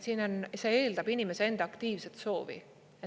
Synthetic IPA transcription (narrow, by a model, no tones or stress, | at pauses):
siːno̞nse̞e̞ːld̪ɑbinime̞see̞nd̪eɑkt̪iːvset̪so̞ːvḭ